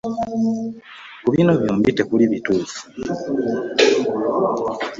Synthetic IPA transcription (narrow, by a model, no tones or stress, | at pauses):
kuβinoβjombite̞kuliβituːfu̥